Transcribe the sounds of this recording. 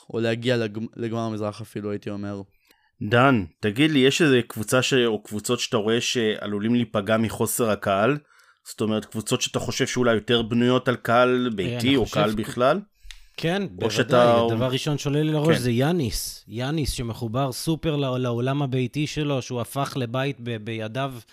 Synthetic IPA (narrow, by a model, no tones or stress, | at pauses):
oleaɡialleɡmaʁamizʁaχafiluajit̪io̞meʁ | dantaɡid̪lijeʃezekvut͡saʃeokvut͡so̞tʃe̥at̪aʁo̞e̞ʃe̞a̰lulimlipaɡamiχo̞se̞ʁakaal | z̥oto̞me̞ʁet̚kvut͡so̞tʃeat̪aχo̞ʃe̞vʃeulajːo̞te̞ʁbnujo̞talkaalbejtio̞kaalbiχlal | kʰenboʃeatadavaʁːiʃo̞nʃolelileʁoʃzejanisjanisʃe̞meχubaʁsupe̞ʁllaolamabejtiʃe̞lo̞ʃeuafaχle̞bait̪bebejadav